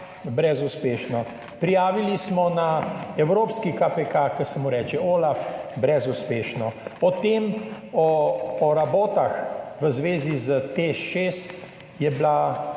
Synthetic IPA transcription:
bɾɛzuspeːʃnɔ | pɾijaːʋilismɔnaɛwɾoːpskikapɛkakəsɛmuɾɛːt͡ʃɛoːlafbɾɛzuspeːʃnɔɔt̪em | ɔːɾaboːt̪axʋəzʋeːzizət̪eːʃeːst̪ | jɛbla

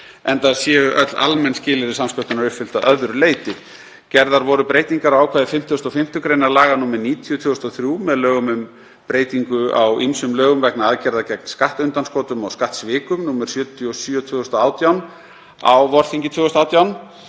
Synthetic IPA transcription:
ɛnt̪aɾsjɛːʏʔœt̪la̰lmɛnscɪːlɪɾɪsamskœwt̪ʏnaɾʏpfʏl̥t̪aʔœðɾʏleːjt̪ɪ | cɛɾðaɾvɔɾʏpɾeːjt̪iŋkaɾawaːwkʰvaːðɪfɪm̥t̪ʰjʏst̪ɔfɪm̥t̪ʏkɾejnaɾlaːɣanuːmɛɾniːt̪ʰjʏt̪ʰvʏʏst̪ɔθɾjuːmɛðlœːɣʏmʏm | pɾeːjt̪iŋkʏawʔimsʏmlœːɣʏmvɛknaaðcɛɾðacɛk̚nskaht̪ʏnt̪anskɔːt̪ʏmawskaht̪svɪːkʏmnuːmɛɾ̥sjœːt̪ʰjɔsyːɔt̪ʰvʏːʏst̪ɔaːwt̪jawn | awvɔɾ̥θiɲcɪt̪ʰvʏːʏst̪awt̪jawn

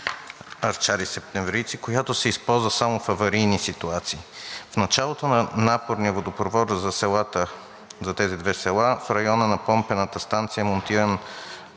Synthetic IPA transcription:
ɐɾt͡ʃaɾisɛp̚t̪ɛmvɾit̪sikojat̪osɛispɔlˠzvəsamofɐvɐɾijnisit̪uat̪siːfnɐt͡ʃalˠot̪onɐnapoɾniəvod̪opɾovɔɾzɐsɛlˠat̪ə | zɐt̪ɛzid̪vɛsɛlˠafɾɐjɔnənɐpɔmpɛnət̪əst̪ant̪sijəmont̪iɾɐn

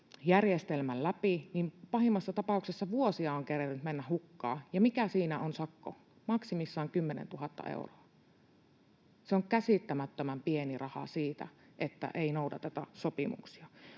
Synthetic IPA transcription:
jærjest̪elmællæpinimpɑhimːɑsːɑt̪ɑpɑˑuksesːɑʋuosiɑoŋkerernt̪menːæhukːɑ̰ːjɑmikæsiːnæonsɑkːo̰ | mɑksimisːɑːŋkymːenḛnt̪uhɑt̪ːɑ̰ʔḛuroɑ | seoŋkæsit̪ːæmæt̪ːømæmpienirʔɑhɑ̰siːt̪æ̰ | ʔet̪ːæ̰ʔeˑinoˑudɑ̰t̪ɑt̪æ̰sopimṵksiɑ

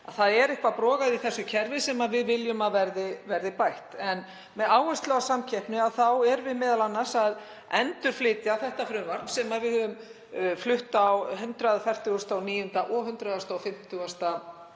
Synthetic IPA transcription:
aðθaðɛɾɪhkvapɾɔːɣaðiθɛsːʏcʰɛɾvɪsɛmavɪðvɪljʏmaðvɛɾðɪvɛɾðɪpajht̪ɛn | mɛðaːwɛst̪lœɣasamcʰɛhpnɪaðθawɛɾvɪðmɛːðalanːasað | ɛnt̪ʏɾ̥flɪːt̪jaθɛht̪afɾʏmvaɾnsɛmaðvɪðhʏðʏm | flʏht̪awhʏnt̪ɾaðfɛr̥t̪ʏast̪awniːjʏnt̪aʔɔɦʏnt̪ɾaðast̪awfɪm̥t̪ʰʏast̪a

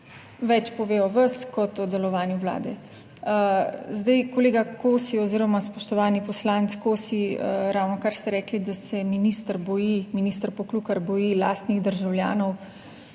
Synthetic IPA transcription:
ʋɛt͡ʃpɔʋeːɔʋəskɔt̪ɔd̪ɛlɔʋaːnjuwla̰ːd̪ɛ | zd̪ajkoleːɡakoːsiɔziːɾɔmaspɔʃt̪ɔʋaːnipɔslaːnt̪skoːsiɾawnɔkaɾst̪ɛɾɛːklid̪asɛminist̪əɾbɔjiminist̪əɾpɔklukaɾbɔjila̰ːst̪niɣd̪əɾʒawlja̰ːnɔw

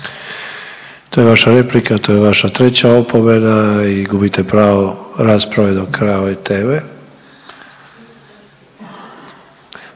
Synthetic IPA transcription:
t̪o̞ːjeʋaʃaɾe̞plikat̪o̞jeʋaʃat̪ɾet͡ɕaopʰo̞menaiɡubit̪epɾaːʋoɾaspɾaʋed̪okʰɾaoit̪eːʋe

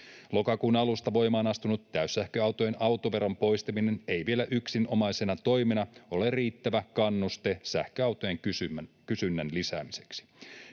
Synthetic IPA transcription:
lo̞kɑkuːnɑlust̪ɑʋo̞jmɑːnɑst̪unut̪ːæysːæhkøɑwt̪ojenɑwt̪oʋe̞ɾompo̞jst̪emine̞ne̞jʋie̞læʔyksinʔo̞mɑjse̞nɑt̪o̞jmenɑo̞lerriːt̪ːæʋækɑnːust̪esæhkøɑwt̪ojeŋkysykysynːænlisæːmise̞̥ksi̥

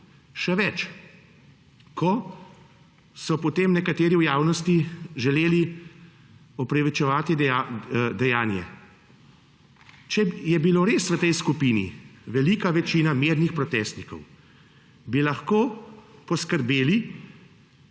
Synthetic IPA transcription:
ʃɛʋɛt͡ʃ | kʰɔ | sɔpɔt̪emnɛkat̪eːɾiwjaːwnɔst̪iʒɛleːli | ɔpɾɛʋit͡ʃɛʋaːt̪i | d̪ɛjaːnjɛ̰ | t͡ʃɛjɛbiloɾeːsʋət̪ɛjskupiːnḭʋɛlikaʋɛt͡ʃiːnameɾnixpɾɔt̪ɛst̪nikɔ̰w | bilaxkoːpɔskəɾbeːli

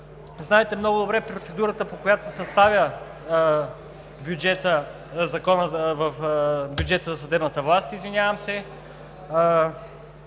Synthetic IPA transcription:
znaɛt̪ɛmnoɡʊd̪obɾɛpɾot̪sɛd̪uɾət̪əpokojat̪o̥sɛsɐst̪avʲjə | bʲjud͡ʒɛt̪ə | zɐkɔnəvɐfbʲjud͡ʒɛt̪əzɐsɐd̪ɛbnət̪əvlˠast̪izvinʲavəmsɛ

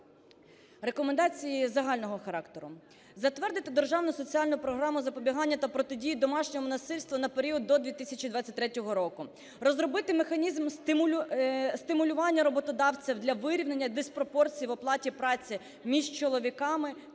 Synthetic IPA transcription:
ɾekɔmend̪ɑt͡sʲijizɐɦɑlʲnɔɦɔxɐɾɑkt̪eɾʊ | zɐt̪ʋɛrd̪ɪt̪ɪd̪erʒɑwnʊsɔt͡sʲiɑlʲnʊpɾɔɦɾɑmʊzɐpɔbʲiɦɑnʲːɐt̪ɐpɾɔt̪ɪdʲijid̪ɔmɑʃnʲɔɦɔmʊnɐsɪlʲst̪ʋɐnɐpeɾʲiɔd̪̚ːɔd̪ʲʋʲit̪ɪsʲɐt͡ʃid̪ʋɑt͡sʲːɐtʲt̪ɾɛtʲɔɦɔɾɔkʊ | rɔzɾɔbɪt̪ɪmexɐnʲizmst̪ɪmʲ | st̪ɪmʊlʲʊʋɑnʲːɐɾɔbɔt̪ɔd̪ɑwt͡sʲiwd̪lʲɐʋɪɾʲiwne̞nʲːɐd̪espɾɔpɔrt͡sʲijiʋɔplˠɑtʲipɾɑt͡sʲi | mʲiʒt͡ʃɔlˠɔʋʲikɑmɪ

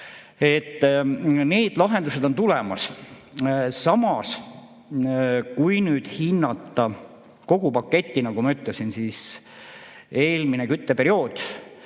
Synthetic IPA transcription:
e̞t̪ːne̞ːd̪̥lɑɦe̞nd̪use̞d̪o̞nt̪ulemɑ̰s | sɑmɑs | kujnyːd̪̥hinːɑt̪ːɑ | ko̞ɡ̥upɑkːe̞t̪ʲːinɑkumɑyt̪lesinsiːs | e̞ːlminekyt̪ːe̞pe̞ɾio̞ːd̪̥

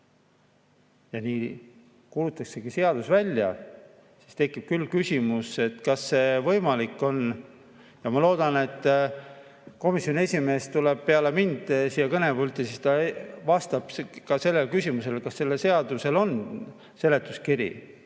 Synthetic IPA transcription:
jɑniː | kulut̪ːˑɑkse̞ɡ̥ise̞ɑd̪̥usvælʲːjɑ̰ | si̥st̪e̞kːˑib̥̚kylːkysʲimuse̞t̪kɑsːe̞vɤjmɑlikːˑo̞n | jɑmɑlo̞ːd̪̥ɑne̞t̪ː | ko̞misjonie̞sʲime̞ːst̪ule̞b̥̚pe̞ɑlemind̪̥siːjɑkɤne̞pult̪ːˑisist̪ɑvɑst̪ɑb̥kɑse̞lːe̞lkysʲimuse̞lkɑsːe̞lːese̞ɑd̪̥use̞lo̞n | se̞le̞t̪ːˑuskiɾḭ

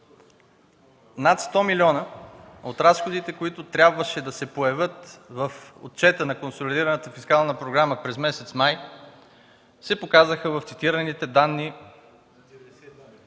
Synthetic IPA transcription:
nat̪st̪ɔmilʲɔnəot̪ɾasxod̪it̪ɛkoit̪ʊt̪ɾʲabvəʃɛd̪ɐsɛpoɛvɤt̪vəfo̰t̪̚t͡ʃɛt̪ənɐkonsolid̪iɾɐnət̪əfiskalˠnəpɾoɡɾaməpɾɛzmɛsɛt̪smaj | sɛpokazəxəvɐft̪sit̪iɾənit̪ɛd̪anːi

